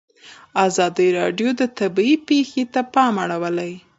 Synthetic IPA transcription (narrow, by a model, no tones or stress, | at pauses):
azɑd̪iɾɑɖjod̪ət̪abiipexet̪apɑmaɽawəlaj